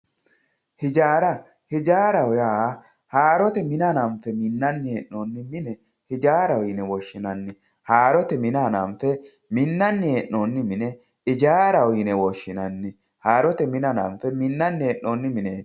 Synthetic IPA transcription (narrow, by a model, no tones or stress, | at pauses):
hɪd͡ʒaːɾɐ | hɪd͡ʒaːɾɐwjaː | haːɾɔt̪ɛmɪnanɐmfɛmɪnːɐnːɪeːʔːoːnːɪmɪnɛ | hɪd͡ʒaːɾɐwiːnɛwɔʃːɪnɐnːɪ | haːɾɔt̪ɛmɪnanɐmfɛ | mɪnːɐnːɪeːʔːoːnːɪmɪnɛ | ɪd͡ʒaːɾɐwinɛwɔʃːɪnɐnːɪ | haːɾɔt̪ɛmɪnɐnɐmfɛmɪnːɐnːɪeːʔːoːnːɪmɪne̥ː